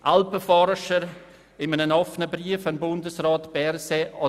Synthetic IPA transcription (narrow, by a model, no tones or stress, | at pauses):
ʔalpəfɔɾʃəɾ | ɪmənənɑfnəbɾiəfɑnbʊndəsraːtb̥ɛɾseɑ